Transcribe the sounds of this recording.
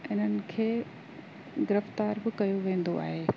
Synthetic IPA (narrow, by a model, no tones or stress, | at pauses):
ɪn̤ənɪ̆kʰeː | ɡɪɾɪft̪aːɾbɪkɐjoʋẽːn̆d̪oa̰ːɦeː